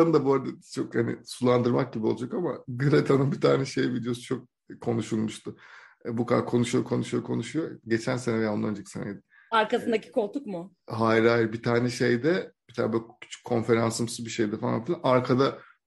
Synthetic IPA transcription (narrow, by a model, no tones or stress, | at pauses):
ad̪aboːɾad̪ɛt͡ʃʰokhanɪ̰sulˠand̪ɯɾmak̚ɟibiolˠud͡ʒakama̰ɡɯɾet̪ʰanɯnbit̪ʰaːnɛʃe̞jibild̪ijo̞su̥t͡ʃʰo̞k̚ | kʰːo̞nuʃulˠmuʃt̪ʰʊbukʰaakʰo̞nuʃujokʰo̞nuʃujokʰo̞nuʃujoɟe̞t͡ʃʰænsenɛanˠand͡ʒecʰi̥senḛjd̪ɪ | aɾkasɯnd̪acʰi̥kʰolˠt̪ʰukmʊɦajɾajiɾbit̪ʰaːnɛʃejd̪ɛb̥i̥t̪ʰaːnɛbølcʰy̥t͡ʃʰy̥k̚ʲʰːo̞nfe̞ɾansɯmsɯzbiʃejd̪ɛfalˠa̰nfilʲanaɾkʰad̪a